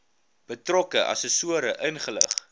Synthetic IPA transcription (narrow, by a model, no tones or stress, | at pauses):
b̥ətrɔkəʔɐ̰səsuəɾəʔənχələ̰χ